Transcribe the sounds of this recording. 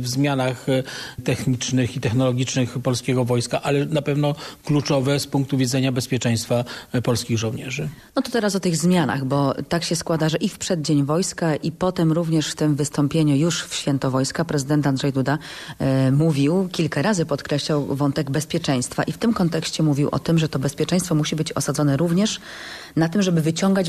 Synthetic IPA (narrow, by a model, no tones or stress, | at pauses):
vzmʲjanaxt̪ɛxɲit͡ʂnɘxit̪ɛxnɔlɔɡʲit͡ʂnɘxpɔlskʲɛɡɔvɔjskaʔalɛnapɛvn̪ɔklut͡ʂɔvɛspuŋk̚t̪uvʲid̪zɛɲabɛspʲjɛt͡ʂɛ̃j̃st̪fapɔlskʲiɣʐɔ̃w̃ɲɛʐɘ | ɔt̪ɔt̪ɛɾasɔt̪ɘɣzmʲjana̰ɣbɔt̪akɕɛskwad̪aʐɛʔifpʂɛd̪̚d͡ʑeɲvɔjskaʔipɔt̪ɛmɾuvɲɛʂft̪ɘmvɘst̪ɔmpʲjeɲujuʂfɕfʲjɛnt̪ɔvɔjskapɾɛzɘd̪ɛnt̪and̪ʐɛjd̪ud̪a | muvʲiwkʲilkaɾazɘpɔt̪kɾɛɕlawvɔnt̪ɛɡbɛspʲjɛt͡ʂɛj̃st̪fa̰ʔift̪ɘmkɔnt̪ɛkɕt͡ɕɛmuvʲiwʔɔ̰t̪ɘmʐɛt̪ɔbɛspʲjɛt͡ʂɛ̃j̃st̪fɔmuɕibɘt͡ɕɔ̰sad̪zɔnɛɾuvɲɛʂnat̪ɘmʐɛbɘvɘt͡ɕɔŋɡat͡ɕ